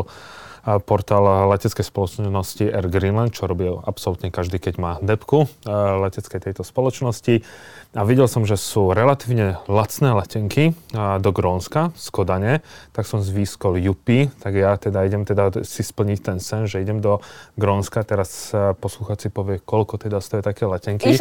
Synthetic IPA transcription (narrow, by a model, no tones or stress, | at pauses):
pɔɾt̪aːllɛcɛt͡skɛjspɔlɔt͡ʃnɔsciʔɛɾɡɾinlant̪t͡ʃɔɾɔbɪɛapsɔlut̪ɲɛkaʒd̪iːkɛɟmaːd̪ɛpkulɛcɛt͡skɛjt̪ɛjt̪ɔspɔlɔt͡ʃnɔsci | aʋiɟɛlsɔmʒɛsuːɾɛlat̪iːʊɲɛlat͡snɛːlɛcɛŋkid̪ɔɡɾɔːnskaskɔd̪aɲɛt̪aksɔmzʋiːskɔljupit̪aɡjat̪ɛd̪aiɟɛmt̪ɛd̪asispl̩ɲict̪ɛnsɛnʒɛiɟɛmd̪ɔɡɾɔːnskat̪ɛɾaspɔsluxaːt͡sipɔʋɪɛkɔʎkɔt̪ɛd̪ast̪ɔjɛt̪akɛːlɛcɛŋki